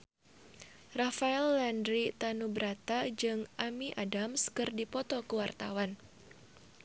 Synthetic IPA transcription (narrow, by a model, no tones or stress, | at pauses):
rafaɛlːɛndɾit̪anubɾat̪ad͡ʒɨŋʔamiʔadamskɨrdipɔt̪ɔkəwart̪a̰wan